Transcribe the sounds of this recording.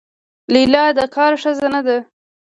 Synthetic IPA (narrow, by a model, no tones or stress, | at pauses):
lilɑd̪əkɑɾʂəzanad̪a